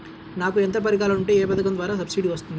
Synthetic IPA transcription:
naːkuent̪ɐp̬ɐɾikaːlɐuɳʈe̞ːɛːpɐd̪ɐkɐnd̪ʋaːɾaːs̬ɐbsiɖiʋɐst̪und̪ii

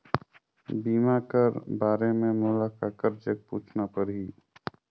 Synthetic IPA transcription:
biːmakəɾbaːɾemẽmʊlakaːkəɾd͡ʒək̚puːt͡ʃʰnapəɾɦiː

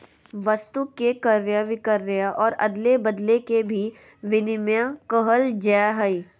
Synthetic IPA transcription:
ʋəst̪ukːekəɾjəʋɪkəɾːjaʔɔːɾɐ̰d̪lebɐd̪lekebʱi | ʋɪnɪmjakəɦəld͡ʒɛːɦəi

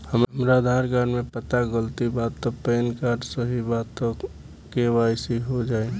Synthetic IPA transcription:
həmmɾad̪ʱaːɾɡaɾmẽpət̪aɡəlt̪ibaːd̪̚ɔpeːnkaːɾɖsəɦibaːɔ | kewajsiɦod͡ʒaːe

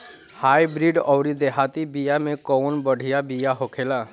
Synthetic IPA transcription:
haːibɾiɖɔːɾid̪eɦʰat̪ibijamẽkɔːnbəɽ̤ʱijabijaɦokʰelaː

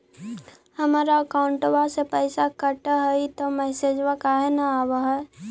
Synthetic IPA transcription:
həmaːɾaəkaʊ̃ɳʈʋasepəːɪsakəʈɦəit̪omɛːsed͡ʒʋakaɦenaaːwaɦɛ

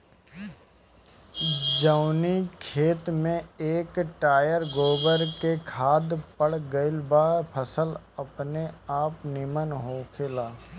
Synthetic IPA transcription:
d͡ʒəʊnikʰeːt̪mẽeːkʈaːjəɾɡoːbəɾkekʰaːd̪pəɽɡəɪlbaːpʰəsəl | ɐpneaːpnɪmənɦoːkʰelaː

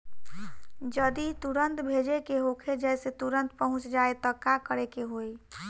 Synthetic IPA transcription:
d͡ʒəd̪it̪uɾənt̪bʱed͡ʒekeɦokʰed͡ʒɛjset̪uɾənt̪̚pəɦʊ̃t͡ʃd͡ʒaet̪əkakəɾekeɦoj

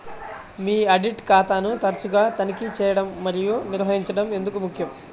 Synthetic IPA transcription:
miːɐɖiʈkaːt̪aːnut̪ɐɾɐt͡ʃuɡaːt̪ɐnikit͡ʃɛːjɐɽɐmːɐɾijuniɾɦɐɦiɲt͡ʃɐɽɐme̞nd̪ukumukʰjɐm

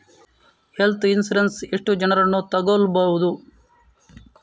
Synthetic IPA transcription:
helt̪ʰinsuɾensiʂʈud͡ʒɐnɐɾɐnːut̪ɐɡolbɐwud̪u

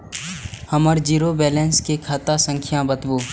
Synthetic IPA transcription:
həməɾd͡ʒiːɾobɛːlɛ̃ːnskekʰaːt̪asə̃ŋkʰjãbət̪buː

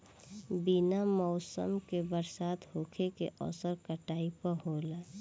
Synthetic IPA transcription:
binamɔːsə̰mkebəɾsaːt̪ɦoːkʰekḛʔɔ̰səɾkəʈaːipəɦola

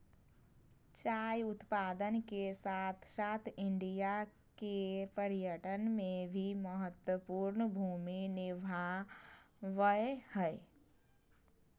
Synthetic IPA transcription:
t͡ʃajut̪pad̪ənkesat̪ʰsat̪ʰiɳɖija | kepəɾijəʈənmebʱiməɦət̪wəpuɾnəbʱuminibʱa | ʋəehəe

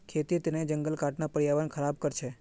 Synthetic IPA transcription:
kʰet̪it̪ened͡ʒəŋɡəlkaʈnapəɾijaʋənkʰəɾab̚kəɾt͡ʃʰe

